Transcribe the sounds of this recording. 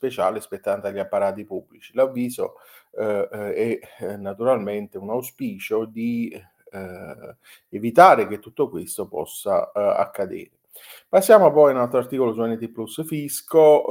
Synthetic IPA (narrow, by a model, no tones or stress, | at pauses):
spet͡ʃaːlespet̪ːant̪aʎːiapːaɾaːt̪ipubːlit͡ʃilavːiːzo̰ | ɛnːat̪uɾalment̪eunawspiːt͡ʃod̪i | evit̪aːɾeket̪ːut̪ːokwest̪opɔ̰sːa̰a̰kːad̪ḛːɾɪ | pasːjaːmopɔjnalt̪ɾoart̪iːkolosuɛnet̪ipːlusfisko